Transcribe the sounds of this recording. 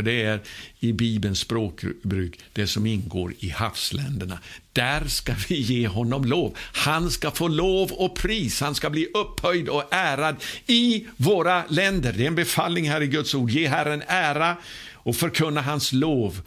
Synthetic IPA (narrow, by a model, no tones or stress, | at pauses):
d̪ɛæɾɪbiːbənspɾoːkbɾʉ̟ːkd̪̥ɛsɔmɪnɡo̰ːɾɪhafslɛ̰nd̪əɳa̰d̪̥æɾskavɪjeːɦɔnːɔmloːvhanskafoːloːvɔpʰɾiːshanskabliːʔɵpːhœjd̪ɔæːɾad̪ɪvoːɾalɛnd̪əɾd̪ɛɛnbɛfalnɪŋɦæːɾɪɡɵt̪suːɖjeːɦæɾənæːɾa | ɔfœɾkʰɵnːaɦansloːv